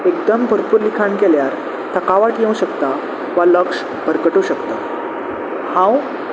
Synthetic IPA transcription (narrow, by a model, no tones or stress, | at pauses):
ekd̪əmbʱəɾpuɾlikʰaɳkeljaɾ | t̪ʰəkaʋaʈjẽũɕəkt̪a | ʋaləkʂ | bʱəɾkəʈoɕəkt̪a | hãw